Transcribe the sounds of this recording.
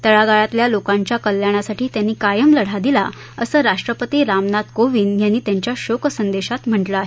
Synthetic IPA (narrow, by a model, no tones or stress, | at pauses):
t̪əɭaɡaɭat̪ljalokãɲt͡ɕjakəljaɽ̃asaʈʰiːt̪janːiːkajəmləɽ̤ad̪ila | əsəːɾaʂʈɾəpət̪iːɾamnad̪koʋiːnjanːiːt̪jaɲt͡ɕjaɕoksənd̪eɕat̪m̤əɳʈləaɦe